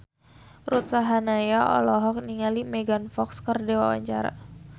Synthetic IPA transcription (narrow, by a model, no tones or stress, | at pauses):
rut̪̚saɦanajaʔɔ̰lɔɦɔk̚niŋalimɛɡanfɔkskərdewa̰wa̰ɲt͡ʃa̰ɾa̰